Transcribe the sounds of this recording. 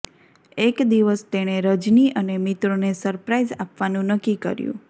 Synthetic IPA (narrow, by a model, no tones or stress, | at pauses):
ekd̪iʋəst̪eɽ̃eɾəd͡ʒniʔənemit̪ɾonesəɾpɾaizapʋanũnəkːikə̰ɾjṵ̃